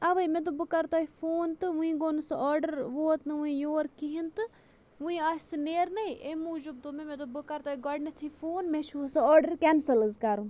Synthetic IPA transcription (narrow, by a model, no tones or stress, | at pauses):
aʋɐjmẽt̪̬obɨkɐɾt̪aːifoːnt̪ɨʋũĩɡoːnɨsɨɔːɾɖəɾʋoːt̪nɨʋũĩjoːɾkiɦint̪ɨ | ʋũĩaːsɨneːɾnɐiʔemuːd͡ʒub̚t̪omẽmẽt̪obɨkɐɾt̪aːiɡɔɖnɐt̪ʰifoːnmẽt͡ʃʰusɨɔːɾɖəɾkɛnsəlɨzkaɾũ